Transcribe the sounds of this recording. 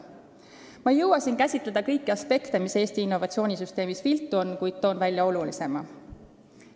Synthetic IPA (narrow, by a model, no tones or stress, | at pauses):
mɑjɤwɑsinkæsʲit̪ˑled̪̥ɑkɤjkːiɑspe̞kt̪e̞mise̞ːst̪iːnːo̞vɑt̪sio̞ːnʲisyst̪e̞ːmisfilt̪ːˑuo̞nːkujd̪̥̚t̪o̞ːnvælʲjɑo̞lulise̞mɑ